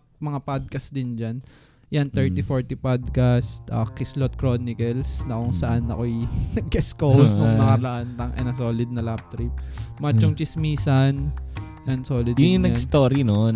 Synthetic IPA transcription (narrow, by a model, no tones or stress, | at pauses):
mɐŋapad̪̚kɐsd̪ɪnd͡ʒan | jant̪ɛɹt̪ifoɹt̪ipad̪̚kast̪ʔɐkɪslot̪̚kɾonɪkɐlsnɐkoŋsɐʔanːɐ̰ko̞jnɐɡ̚kɛskowsnʊŋnɐkɐlɐʔant̪ɐŋʔɐ̰nɐso̞ːlɪd̪̚nɐlab̚t̪ɾip̚mat͡ʃːʊŋt͡ʃɪsmiːsɐn | jɐnsoːlɪd̪jʊŋʊnɛast̪oːɾino